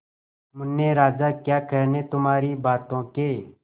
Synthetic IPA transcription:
mʊnːẽːɾaːd͡ʒaːkjaːkəɾneːt̪ʊmaːɾiːbaːt̪õːkeː

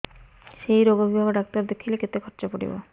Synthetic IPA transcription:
ʃejɾoɡobʱibʱaɡoɖak̚t̪aɾd̪ekʰileket̪ekʰɔɾt͡ɕapoɽḭbo̰

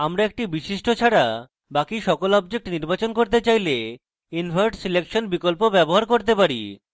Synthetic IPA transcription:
amɾaek̚ʈibiʃiʃʈot͡ɕʰaɾa | bakiʃɔkolɔbd͡ʑek̚ʈniɾbat͡ɕonkoɾt̪̬et͡ɕajle | inbʱaɾɖsilekʃonbikolpobɛboɦaɾkoɾt̪epaɾḭ

